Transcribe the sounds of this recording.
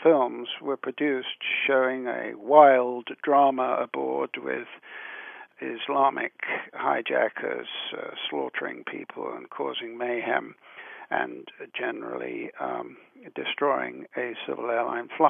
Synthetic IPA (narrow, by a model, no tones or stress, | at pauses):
fɪlˠmzwə˞pʰɹ̥ɨdʉstʃoʊɪ̃ŋɨwaɪlˠddɹɑməəbɔɹd̚wɪð̥ | ɪzlɑmʔɪkhaɪd͡ʒækʰəz̥slɔɾə˞ɪ̰̃ŋpʰḭpʰəl̩ˠə̃nkʰɔzɪ̃ŋmeɪɦæ̰̃mʔɨ̰̃nd͡ʒɛnə̰˞l̩ˠi | dɨstɹ̥ɔɪɪ̰̃ŋɨsɪ̰vəl̩ˠɛɹlã̰ɪ̃nfla